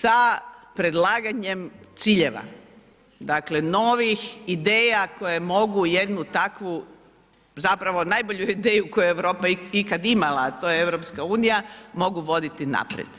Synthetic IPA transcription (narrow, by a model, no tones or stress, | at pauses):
sapɾe̞d̪lˠaːɡaɲe̞mt̪siːʎe̞ʋa̰ | d̪akle̞no̞ʋixid̪e̞ːjako̞jemo̞ɡujed̪nut̪akʋu | zapɾaʋo̞najbo̞ʎuid̪eːjukojeʋɾo̞ːpaikad̪imalˠaːt̪o̞jeeʋɾo̞pskauːnijamo̞ɡuʋo̞d̪it̪ina̰pɾḛd̪̥